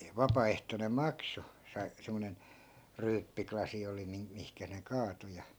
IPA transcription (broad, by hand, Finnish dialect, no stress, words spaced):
ʋɑpɑːehtonem̆ mɑkso sɑi semːonen ryːpːiklɑsi oli min mihkæ ne kɑːto jɑ